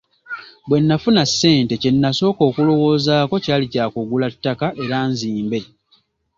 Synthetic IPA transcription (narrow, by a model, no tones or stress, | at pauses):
bwe̞nːafunasːe̞ːnte̞cenːaso̞ːko̞ːkulo̞wo̞ːzaːko̞caːlicaːkuɡulatːakaʔe̞ɾaːnziːmbe̞